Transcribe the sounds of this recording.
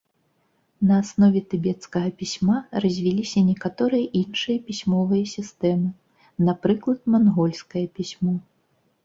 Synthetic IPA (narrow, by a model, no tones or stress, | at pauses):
nɐːsnɔvʲɛt̪ɨbʲɛt̪skɐɣɐpʲisʲmarɐzʲvʲilʲisʲɐnʲɛkat̪ɔɾɨjɐʔinʂɨjɐpʲisʲmɔvɨjɐsʲist̪ɛmɨ | napɾɨklˠɐt̪̚manɣɔlʲskɐjɐpʲisʲmɔ